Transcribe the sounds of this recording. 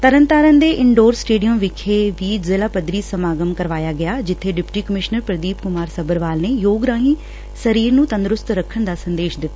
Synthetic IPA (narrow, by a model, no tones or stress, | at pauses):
t̪əɾənt̪aːɾənd̪eːʔɪɳɖoːɾsːʈeːɖijəmʋɪkʰeːʋiːd͡ʒzɪlaːpəd̪ɾiːsəmaːɡəmkəɾʋaːjaːɡɪjaːd͡ʒɪt̪ʰːeːɖɪpʈiːkəmɪʃnəɾpɾəd̪iːpkʊmaːɾsəbəɾʋaːlneːjoːɡɾãːɦiː | səɾiːɾnũːt̪ə̃nd̪ɾʊst̪ɾəkʰəɳd̪aːsənd̪eːʃd̪ɪt̪ːaː